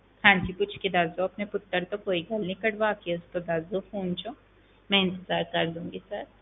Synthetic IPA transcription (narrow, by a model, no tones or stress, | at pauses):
hãːd͡ʒiːkʊt͡ʃʰked̪aːzoɐpnepʊt̪ːəɾt̪okoːiɡɐlnĩkɐɽʋaːkiʊst̪od̪aːzofoːnt͡ʃo | mɛ̃ɪ̃nt̪əzaːɾkɐɾd̪ũːŋɡisɐɾ